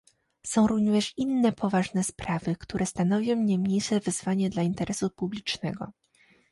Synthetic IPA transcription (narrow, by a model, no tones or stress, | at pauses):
sɔ̃w̃ɾuɲʲɛʂinːɛpʰɔvaʐnɛspɾavɘkt̪uɾʔɛst̪an̪ɔvʲjɔ̃w̃ɲajmɲejʂɛvɘzvaɲɛd̪laint̪ɛɾʔɛsupublʲit͡ʂnɛ̰ɡɔ̰